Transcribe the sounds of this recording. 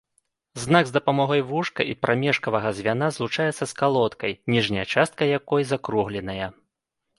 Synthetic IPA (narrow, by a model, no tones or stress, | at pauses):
znaɡzd̪ɐpamɔɣɔjvuʂkɐ̰ʔipɾʔamʲɛʂkɐvɐɣɐzʲvʲanazlˠut͡ʂajɛt̪sːɐskalˠɔt̪kɐjnʲiʐnʲɐjɐt͡ʂast̪̚kɐjakɔjzakɾuɣlʲɛnɐjɐ